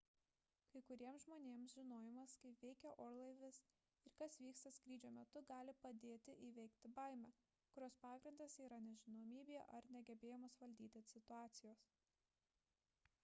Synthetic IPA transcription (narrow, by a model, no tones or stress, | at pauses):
kɐɪkʊɾʲiɛmsʒmoːnʲeːmsʒʲɪnoːjɪmɐskɐɪpʋʲɛɪkʲɛʔoːɾlˠɐɪʋʲɪs | ɪɾkɐsʋʲiːkst̪ɐskɾʲiːd͡ʒʲoːmʲɛt̪ʊɡɑːlʲɪpɐd̪ʲeːt̪ʲɪʔiʋʲɛɪkt̪ʲɪbɐˑɪmʲɛ | kʊɾʲoːspɑːɡɾʲɪnd̪ɐsiːɾɐnʲɛʒʲɪnoːmʲiːbʲeːɛʔɐɾnʲɛɡʲɛbʲeːjɛmoːsʋɐlʲd̪ʲiːt̪ʲɪɐsʲɪt̪ʊɑːt̪sʲɪjoːs